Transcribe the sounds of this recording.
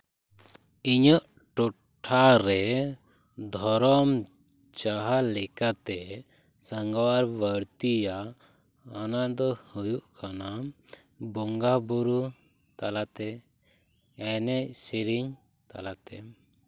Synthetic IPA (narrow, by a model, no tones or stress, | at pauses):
iɲɔʔ | ʈɔ | ʈʰːaɾɛ | d̪ʱɔɾɔm | t͡ʃaɦalɛkat̪ɛ | saŋɡawaɾbəɾt̪ijaː | nad̪ɔhujuʔkʰana | bɔŋɡabuɾu | t̪alat̪ɛ | ɛnɛʔsiɾiɲ | t̪a̰lat̪ɛ